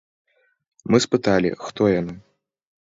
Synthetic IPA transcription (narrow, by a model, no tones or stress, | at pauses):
mɨspɨt̪alʲḭxt̪ɔjanɨ